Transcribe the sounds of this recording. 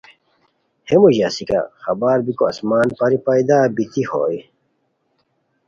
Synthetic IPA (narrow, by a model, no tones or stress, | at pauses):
hemuʑaːsika̰xɐbaːɾbikoɐ̰smaːnpɐɾipɐid̪aːbit̪iho̰ːj